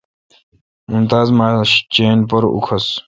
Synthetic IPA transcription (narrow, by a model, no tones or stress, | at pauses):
unt̪aːzmaːɕt͡ɕeːnpɐɾṵkʰɐs